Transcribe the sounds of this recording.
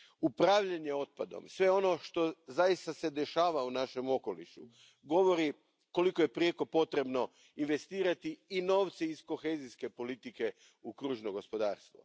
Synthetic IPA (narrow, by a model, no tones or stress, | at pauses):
upɾaːʋʎeɲe̞o̞t̪̚pad̪o̞̰msʋe̞o̞no̞ʃt̪o̞zajist̪ase̞d̪e̞ʃaːʋaunaʃe̞mo̞ko̞lḭʃṵ | ɡo̞ʋo̞ɾi | ko̞liko̞je̞pɾijeko̞po̞t̪ɾe̞bno̞ | inʋe̞st̪iːɾat̪iːno̞ːʋt̪siisko̞xe̞ːziske̞po̞lit̪ike̞ | ukɾuːʒnoɡo̞spo̞d̪aːɾst̪ʋo̞̰